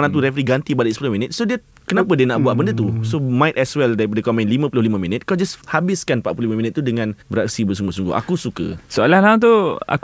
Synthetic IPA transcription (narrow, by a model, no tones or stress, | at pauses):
nãt̪uɾɛfəɾiɡant̪ipadəikspulʊhmĩnət̪̚sodiə | kənãpədiənaʔbuat̪̚bəndət̪̬usomãɪt̪ɛswɛldaɾip̬adəkomɛ̃nlimə̃pulʊhlimə̃mĩnət̪̚kɔd͡ʒashabɪskanpaʔpululimə̃mĩnət̪ːudəŋãnbəɾaksibərsuŋɡʊsuŋɡʊ̰ʔa̰kusukə̰soalahlãt̪ua̰